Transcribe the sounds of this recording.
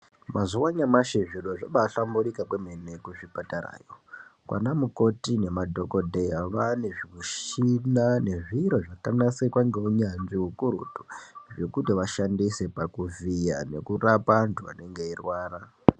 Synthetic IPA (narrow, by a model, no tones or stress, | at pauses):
mazuwaɲamaʃeʐiroʐaɓaɬambuɾikakwemene̞kuʐipatara̰ːjokwa̰namuko̞tine̞madʱo̞ko̞dʱejaʋane̞ʐiwiʃinane̞ʐiɾoʐakanasekwaŋɡeɦuɲanʐiɦukuɾṵtu̥ʐe̞kutiʋaʃandise̞pakuvija̰ne̞kurapantʰua̰ne̞ŋɡe̞irwaːra